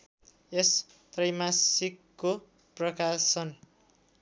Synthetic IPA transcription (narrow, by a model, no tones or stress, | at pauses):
es | t̪rʌjmasikːo | prʌkasʌn